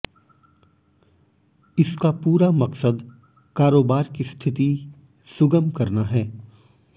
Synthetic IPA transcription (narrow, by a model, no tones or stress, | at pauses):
ɪskapuːɾamɐksəd̪ | kaːɾoːbaːɾkist̪ʰɪt̪i | sʊɡəmkɐɾnaɦɛː